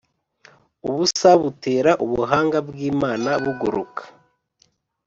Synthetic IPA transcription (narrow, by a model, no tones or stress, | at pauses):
uβusaβuteːɾaʔuβuɦaːŋɡabɡiːmaːnaβuɡuɾṵkḁ